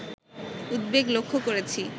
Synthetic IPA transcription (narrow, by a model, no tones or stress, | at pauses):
ud̪beɡlokʰːokoɾet͡ɕʰi